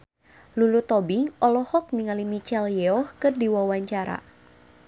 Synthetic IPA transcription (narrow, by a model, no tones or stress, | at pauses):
lulut̪ɔbiŋɔlɔhɔk̚niŋalimit͡ʃɛljɛɔhkɨrdiwawaɲt͡ʃaɾa̰